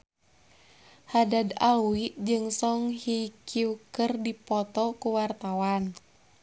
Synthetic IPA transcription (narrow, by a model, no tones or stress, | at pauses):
hadadaluwiʔd͡ʒɨŋsɔŋhikʰiukərdipɔt̪ɔkuwart̪awan